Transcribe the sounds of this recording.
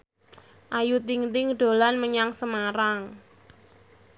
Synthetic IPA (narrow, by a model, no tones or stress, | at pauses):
ʔajut̪iŋt̪ɪŋɖ̪̥o̤lanməɲaŋsəmaɾaŋ